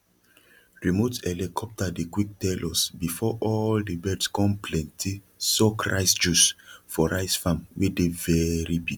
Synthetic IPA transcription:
ɹimotɛlikʰɔp̚tadikwik̚tɛlʔɔsbifɔʔɔldebɛdskɔ̃nplɛ̃ntʰi | sɔkʰɹa̰ɪsd͡ʒusfɔɹaɪsfãmwedevɛɹipik

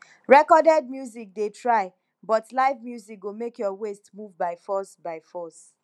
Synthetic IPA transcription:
ɹɛkɔdɛd̚mjuzik̚detʰɹaɪ | bɔtlaɪvmjuzik̚ɡomekjɔwestmuvbaɪfɔsbaɪfɔs

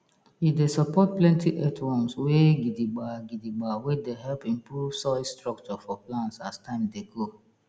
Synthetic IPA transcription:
idesɔpɔt̚plɛ̃ntiʔɛtwɔ̃nsweɡidiɡ͡baɡidiɡ͡bawedeɦɛlpĩmpɾuvsɔstɾɔk̚t͡ʃɔfɔplãnsastãɪ̃mdeɡo

